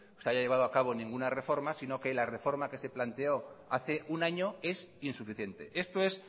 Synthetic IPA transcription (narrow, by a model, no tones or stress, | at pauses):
seajaʎe̞β̞aðoakaβo̞nĩŋɡunare̞fo̞ɾmasino̞ke̞lare̞fo̞ɾmake̞se̞plant̪e̞o̞aθe̞ʔunaɲoe̞sinsufiθje̞nt̪e̞̰ʔe̞st̪oe̞s